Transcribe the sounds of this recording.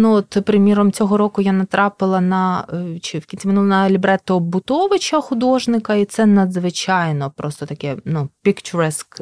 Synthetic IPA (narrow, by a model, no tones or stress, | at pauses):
nuɔt̪pɾɪmʲiɾɔmt͡sʲɔɦɔɾɔkʊjanɐt̪ɾɑpɪlˠɐnɐt͡ʃɪwkʲilʲnʲsʲimɪnulˠnɐlʲibɾɛt̪ɔbʊt̪ɔʋɪt͡ʃɐxʊd̪ɔʒnɪkɐit̪sɛnɐd̪zʋɪt͡ʃɑjnɔpɾɔst̪ɔt̪ɐkɛnupʲikt͡ʃʊɾɛsk